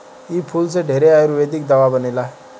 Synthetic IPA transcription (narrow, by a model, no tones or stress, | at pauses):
ipʰuls̬eɖʱeːɾeajeɾuʋed̪ik̚d̪əʋabənelaɦ